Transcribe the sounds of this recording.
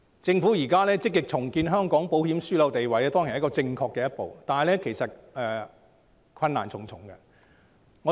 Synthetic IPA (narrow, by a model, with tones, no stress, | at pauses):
t͡sɪ˧ŋfu˨˥jiː˨˩kaː˥lɛː˥t͡sɪ˥kːɪ˨k̚t͡sʰʊ˨˩ŋkiː˧nɦœː˥ŋkɔː˨˥ŋpo˨˥whiː˨˥msyː˥lɐ˨˧wt̪e˨jwɐ˨˩jɛ˧˥t̪ɔː˥ŋkʰe˨˩˨kɔː˧t͡sɪ˧ŋkʰɔː˧kːɛː˧jɐ˥t̚po̰˨wt̪aː˨nɐ˨˩lɛː˥kʰe˨˩jsɐ˨t̚ɛː˨ | kʰɐ˧nːa̰ː˨˩nt͡sʰʊ˨˩ŋt͡sʰʊ˨˩ŋɡɐ˧ | ŋɔ˨˧